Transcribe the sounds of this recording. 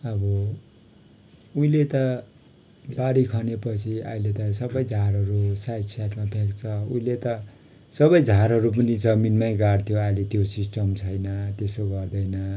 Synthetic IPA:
ʌbʌ | uĩlet̪ʌ | baɾikʰʌnepʌt͡sʰia̰ilet̪ʌsʌbʌjd͡zʱaɾɦʌɾusajʈsaʈmabʰʱekt͡sʰʌũĩlet̪ʌ | sʌbʌjd͡zʱaɾɦʌɾup̬ʌnid͡zʌminmaj̃ɡart̪ʰjoajlet̪josisʈʌmt͡sʰʌjnʌt̪esoɡʌrd̪ʌjnʌ

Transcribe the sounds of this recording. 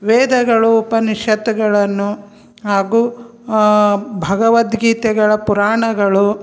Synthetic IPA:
ʋeːd̪ɐɡɐɭuːpɐniʃɐt̪ɐɡɐɭɐnːu | ɦaːɡuː | bʱɐɡɐʋɐt̪ɡiːt̪ɛɡɐɭɐpuɾaːɳɐɡɐɭu

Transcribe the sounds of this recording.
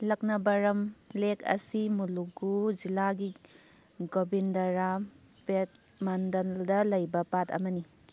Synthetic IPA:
lɐk̚nɐbɐɾɐmlekɐ̰simuluɡud͡ʒilaɡi | ɡobindɐɾa | pet̚ | mɐndɐldɐlɐjbɐpatɐ̰mɐni

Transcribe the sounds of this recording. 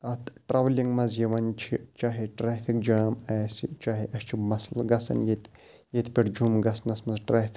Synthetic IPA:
ɐt̪ʰʈɾʔɐʋliŋɡmɐzjiʋɐnt͡ʃʰit͡ʃaːɦiʈɾaːfʰik̚d͡ʒaːmaːsit͡ʃaːɦiʔɐʃt͡ʃʰimɐslɡɐsɐ̰njit̪ | jit̪pʲiʈd͡ʒumɡɐsnɐsmɐzʈɾaːfʰʲi

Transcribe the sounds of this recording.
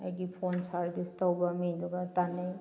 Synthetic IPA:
a̰jɡipʰonsaɾbistɔwbamiɡɔbat̪anaj

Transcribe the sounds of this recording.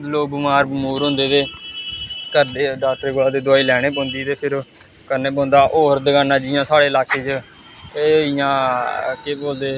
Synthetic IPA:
loːbəmaːɾbəmuːɾɦõːnd̪eːt̪eː | kəɾd̪eːɖaːk̚ʈəɾeɡolaːd̪eːd̪ʊaːiːlɛːɽ̃eːp̬õːnd̪iːt̪eːpʰɪɾ | kəɾneːp̬õːnd̪aːʔoːɾd̪əɡãːnãːd͡ʒɪjãːsaːɽeːlaːkeːt͡ʃ | eːɪjãːkeːboːld̪eː

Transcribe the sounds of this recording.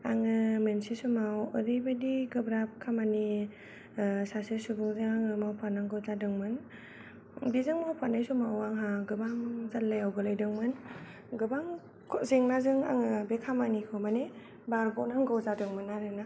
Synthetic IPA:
aŋɯmensisumawɯɾibadiɡɯbɾap̚kʰamani | sasesubɯŋzɯŋaŋɯmawpʰanaŋɡɔwzadɯŋmɯn | bizɯŋmawpʰanajsumawaŋɦaɡɯbaŋzalːajawɡɯlajdɯŋmɯn | ɡɯbaŋ | kʰɔzeŋnazɯŋa̰ŋɯbekʰamanikʰɔmane | baɾɡɔnaŋɡɔwzadɯŋmɯnaɾɯna

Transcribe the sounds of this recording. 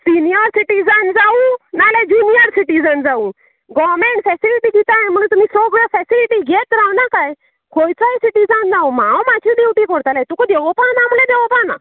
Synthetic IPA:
sinijəɾsiʈid͡zənd͡zaũnaled͡ʑunijəɾsiʈid͡zənd͡zau | ɡɔmeɳʈfɛsiliʈiɡit̪aẽm̤əɽ̃uːnt̪um̤iːsɾoɡɾafɛsiliʈiɡʱet̪ɾawnakaj | kʰojt͡saisiʈid͡zand͡zawm̤awmat͡ɕʰiɖiwʈikɔɾt̪alajt̪ukɔd̪eʋɔpanamlẽd̪ɛʋɔpana̰

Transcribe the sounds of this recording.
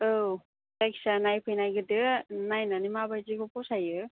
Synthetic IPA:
ɯw | tajksanajpʰɯjnajɡɯdɯnajnanimabajzikʰɔpɔsajɯ

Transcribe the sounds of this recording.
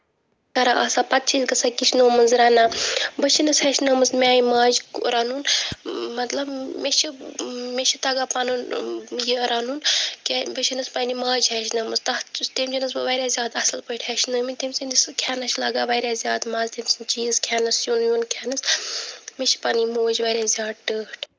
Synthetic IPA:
kɐɾaʔɐ̰saːpɐt̪̚t͡ʃʰiːzɡɐsakiʃʰnoːmənzɾaːnaːbət͡ʃʰinɨshɐʃnɐmɨsmʲaːjimaːd͡ʒkuɾaːnuːnmɐt̪lɐbmeʃimʲeʃit̪aːɡaːpanunjiɾaːnuːnkʲebət͡ʃʰinɨspanimaːd͡ʒɦɛʃnɐːmɨst̪ɐt͡ʃt̪emʲd͡ʒinɨs̬bɐʋaɾʲaːzʲjaːd̪ɐslpəiʈʰhɛʃʰnɐːminʲt̪emsind̪ʲiskʰaːnɐʃʰlaːɡaːʋaːɾʲaːzʲjaːd̪maːzt̪emsɨnt͡ʃiːzkʰaːnɐsjuːnjunkʲʰɛːnɨs | mʲet͡ʃi̥paːnimoːd͡ʒʋaɾʲaːzʲjaːd̪ʈəːʈʰ

